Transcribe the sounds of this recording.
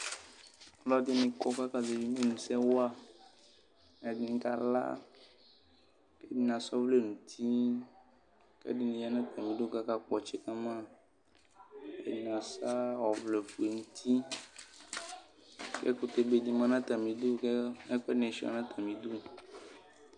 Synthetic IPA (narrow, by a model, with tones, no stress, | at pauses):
lɔ˦d̪i˦mĩ˨kɔ˦ka˦ka˦ze˨vi˦mĩ˦nũ˨sɛ˦wa˦ | ɛ˨dĩ˨ŋ̩˦ka˦la̰˦ | ke˦di˦nã˨sɔ˦vle˦nũ˨t̪ʰi˦ | kḛ˦di˦nĩ˨ja˦nã˦t̪a˨mĩ˨do˦ka˦ka˦k͡pɔ˨t͡ʃɛ˨ka˦mã˦ | ḛ˨di˨nã˨sa˦wɔ˨vle˨fu˨e˨ŋũ˦t̪ʰi˦ | kḛ˦ku˨t̪e˨be˨di˨mã˦nã˦t̪a˨mĩ˨d̪o˦kɛ˦k͡pɛ˦nɛ˨ʃi˨a̰˨nã˦t̪ʰa˨mĩ˨d̪o˦